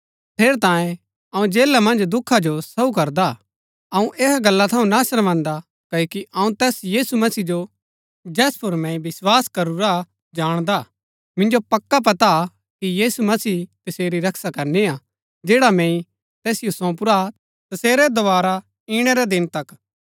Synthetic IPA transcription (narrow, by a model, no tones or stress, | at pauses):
t̪ʰeːɾt̪ãːjẽ | ɐũd͡ʒeːlamɐ̃nd͡ʒd̪ʊkʰːad͡ʒosɐukɐɾd̪a | ɐũʔeːɦɡɐlːat̪ʰɐũnaːʃəɾʋãːnd̪a | kɐjokiʔɐũt̪ɛːsjiːsumɐsiːd͡ʒo | d͡ʒɛːspʰʊɾmɛ̃ːĩbɪswaːskɐɾuɾa | d͡ʒaːɽ̃d̪a | mɪ̃nd͡ʒopɐkːap̬ɐt̪a | kijiːsumɐsiːt̪ɐseːɾiɾɐkʰsakɐɾnea | d͡ʒeːɽamɛ̃ːĩ | t̪ɛːsɪjosɔ̃ːp̬ʊɾa | t̪ɐseːɾɛd̪ɐʋaːɾa | iːɽ̃ɛɾɛd̪ɪnt̪ɐk